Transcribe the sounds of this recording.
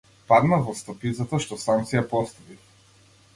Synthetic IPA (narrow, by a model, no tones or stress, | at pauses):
pad̪navɔst̪ɔpizat̪aʃt̪ɔsaŋt̪sijapɔst̪avi